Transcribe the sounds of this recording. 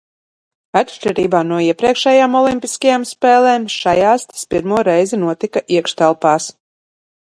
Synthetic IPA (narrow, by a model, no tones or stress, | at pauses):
atʃt͡ʃʲɛɾiːbaːnuɔiɛpɾiɛkʃɛjaːmɔlˠimpʲiskajamspɛːlˠɛːmʃajaːst̪ḁspiɾmuɔɾɛjzinuɔt̪ikaʔiɛkʃt̪alˠpaːs